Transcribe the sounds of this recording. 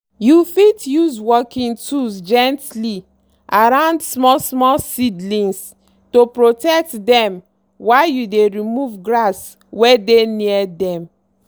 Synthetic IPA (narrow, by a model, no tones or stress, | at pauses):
jufitjuzwɔkĩntusd͡ʒɛ̃ntli | ʔaɹãʊ̃ndsmɔlsmɔlsidlĩns | topɹotɛk̚tdɛ̃m | waɪjudeɹimuvɡɹas | wedeniɛdɛ̃m